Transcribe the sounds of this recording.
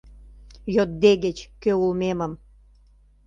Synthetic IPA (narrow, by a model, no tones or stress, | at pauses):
jot̪̚d̪eɣet͡ɕkøulmemə̆m